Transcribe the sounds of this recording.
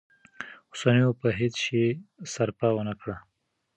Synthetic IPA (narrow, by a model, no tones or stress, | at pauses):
ʊsanəjopəɦet͡sʃesaɾpɑwənakɽa